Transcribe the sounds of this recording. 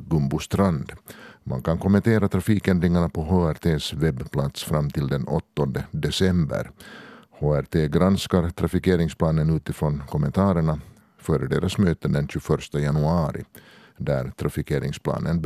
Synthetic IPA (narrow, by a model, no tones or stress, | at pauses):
ɡɵmbʊst̪ɾand̪mʔa̰nkʰankʰɔmɛnt̪ʰeːɾat̪ʰɾafiːkɛnd̪ɾɪŋaɳapʰɔɦoːæɾt̪ʰeːsvɛbːpʰlat̪sfɾamːt̪ʰɪld̪ɛnɔt̪ːɔnd̪əd̪ɛsɛmbə̰ɾhoːæɾt̪ʰeːɡɾanskaɾt̪ʰɾafɪkeːɾɪŋspʰlɑːnənʉ̟ːt̪ɪfɾɔnkʰɔmːɛ̰nt̪ʰɑːɾəɳa | fœːɾəɖeːɾʔasmøːt̪ənd̪ɛnɕɵfœɾʂt̪əjanɵɑːɾɪ̰ | d̪æɾt̪ʰɾafɪkʰeːɾɪŋspʰlɑ̰ːnən